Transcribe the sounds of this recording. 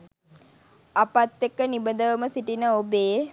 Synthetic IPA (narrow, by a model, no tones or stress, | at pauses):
apat̪ːekːənibəd̪əʋəməsiʈinəobeː